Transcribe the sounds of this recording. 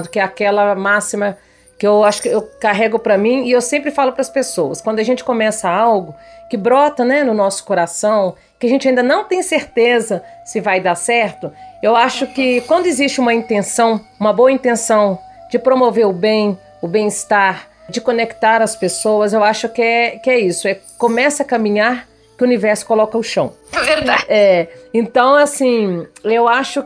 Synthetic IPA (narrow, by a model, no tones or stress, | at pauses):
d̪ʊkɪɛakɛlɐmasimɐ | kɪewaʃʊ̥kɪewkaɦɛɡʊpɾɐmĩɪewsẽmpɾɪfalʊpɾɐspesowɐskwɐ̃nd̪ʊɐʒẽnt͡ʃɪ̥kõmɛsɐawɡʊkɪbɾɔt̪ɐnɛnʊnɔsʊ̥koɾasɐ̃w̃ | kɪaʒẽnt͡ʃɪaĩd̪ɐnɐ̃w̃t̪ẽj̃seɾt̪ezɐsɪvajd̪asɛɾt̪ʊewaʃʊkɪkwɐ̃nd̪ʊɪzist͡ʃɪũmɐĩnt̪ẽsɐ̃w̃ũmɐboɐĩnt̪ẽsɐ̃w̃ | d͡ʒɪpɾomoveɾʊbẽj̃ | ʊbẽj̃ɪst̪aɾ | d͡ʒɪkonekt̪aɾɐspesowɐzewaʃʊkɪɛkɪɛisʊɛ | kõmɛsɐkɐmĩɲaɾ | kɪʊunivɛɾsʊ̥kolɔkɐʊʃɐ̃w̃veɾdaɛẽnt̪ɐ̃w̃asĩewaʃʊ